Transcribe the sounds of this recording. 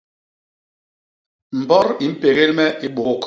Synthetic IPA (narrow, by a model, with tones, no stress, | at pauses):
m̩˨bɔ˦ɾi˨m̩˦pe˨ɣe˦lmɛ˦ʔi˦ɓo˨˦k